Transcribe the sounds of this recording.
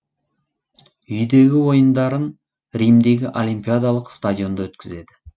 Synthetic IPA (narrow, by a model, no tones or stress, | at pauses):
ʏjd̪e̞ɡʲɪwo̞jənd̪ɑɾən | ɾijmd̪e̞ɡʲɪʔolʲijmpʲijad̪alˠəqst̪ad̪ʲijo̞nd̪ɑwɵt̪kʲɪze̞d̪ɪ